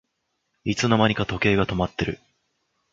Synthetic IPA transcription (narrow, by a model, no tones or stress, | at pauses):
it͡sɨno̞maɲ̟ʲikat̪o̞ke̞ːɡat̪o̞mat̪ːe̞ɾɯ̟